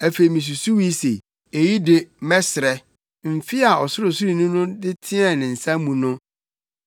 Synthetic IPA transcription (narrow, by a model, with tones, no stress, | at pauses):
æ˨fe˨i˨mĩ˨s̬u˨su˦wi˦sḛ˨ | e˨ji˦de˦mɛ˦sɪ˨ɾɛ˨ | m̩˨fɪ˦a˨ɔ˨sʊ˦ɾʊ˨su˦ɾi˨nũ˦nʊ̃˦dɪ˦tʰɪ˦ɛ̃˦˨nɪ̃˨n̩˨sã˦mũ˨nʊ̃˦